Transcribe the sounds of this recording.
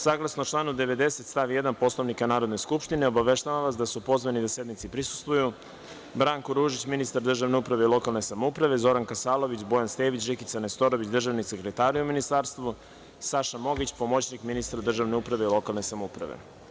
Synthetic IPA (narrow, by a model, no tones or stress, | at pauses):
saːɡlˠasnot͡ʃlˠaːnud̪e̞ʋe̞d̪e̞se̞t̪st̪aʋijed̪anpo̞slˠoʋnikanaːɾo̞d̪ne̞skupʃt̪ineo̞baʋe̞ʃt̪aʋamʋasd̪asupo̞zʋanid̪ase̞d̪nit̪sipɾisu̥st̪ʋuju | bɾaŋkoɾuːʒit͡ɕminist̪aɾd̪r̩ʒaʋne̞upɾaʋe̞ilˠo̞kalˠne̞samoupɾaʋe̞zo̞ɾankasaːlˠo̞ʋit͡ɕbo̞janst̪eːʋit͡ɕrikit̪sanest̪o̞ɾoʋit͡ɕd̪r̩ʒaʋnise̞kɾet̪aːɾuminist̪aːɾst̪ʋu | saʃamo̞ɡit͡ɕpo̞mo̞t͡ɕnikminist̪ɾad̪r̩ʒaʋne̞upɾaʋe̞ilˠo̞kalˠne̞samoupɾa̰ʋḛ